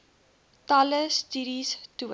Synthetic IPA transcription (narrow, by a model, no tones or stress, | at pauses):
tɐləstiɾistuə